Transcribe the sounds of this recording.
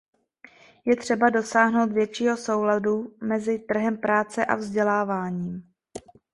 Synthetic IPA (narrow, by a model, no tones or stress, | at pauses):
jɛt̪r̝̥ɛbado̞saːɦno̞wt̪vjɛt͡ʃiːɦo̞so̞wladumɛzɪt̪r̩ɦɛmpɾaːt͡sɛʔa̰vzɟɛlaːvaːɲiːm